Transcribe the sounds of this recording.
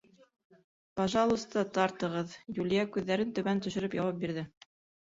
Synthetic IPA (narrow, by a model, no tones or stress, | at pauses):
pɑʒɑlˠust̪ɑt̪ɑɾt̪ɤ̆ʁɤðjulʲijækʉðːæɾɘnt̪ɵ̆βænt̪ɵ̆ʃɵ̆ɾɵpjɑwɑp̚biɾðɘ